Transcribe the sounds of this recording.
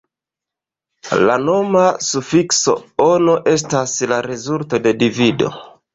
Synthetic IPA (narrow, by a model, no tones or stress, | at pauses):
lano̞masufikso̞̰onoʔe̞s̬taslaɾezulto̞de̞divido̞̰